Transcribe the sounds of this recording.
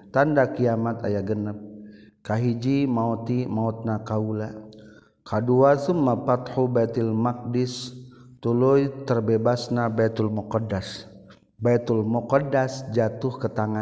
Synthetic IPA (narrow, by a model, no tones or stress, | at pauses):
t̪andakiamat̪a̰jaɡənəp̚kaɦid͡ʒimaɔt̪imaɔt̪̚nakaula | kʰaduasumːapat̪hubajt̪ilmak̚dist̪ulujt̪ərbebasnabajt̪ulmɔkɔdas | bajt̪ulmɔkɔdasd͡ʒat̪uhkət̪aŋa